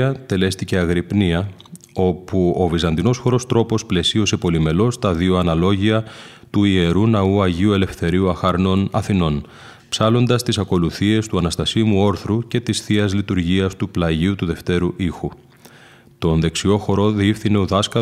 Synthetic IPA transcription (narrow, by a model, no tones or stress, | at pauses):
ɐt̪e̞le̞st̪ice̞ɐɣɾipniɐ | o̞puo̞vizɐnd̪ino̞sxo̞ɾo̞st̪ɾo̞po̞sple̞sio̞se̞po̞lime̞lo̞st̪ɐðio̞ɐnɐlo̞ʝiɐ | t̪uie̞ɾunɐuɐʝiue̞le̞fθe̞ɾiuɐxɐɾno̞nɐθino̞n | psɐlo̞nd̪ɐst̪isɐko̞luθie̞st̪uɐnɐst̪ɐsimuo̞ɾθɾuce̞t̪isθiɐzlit̪uɾʝiɐst̪uplɐʝiut̪uðe̞ft̪e̞ɾuʔixu | t̪o̞nðe̞ksio̞xo̞ɾo̞ðifθine̞oðɐskɐ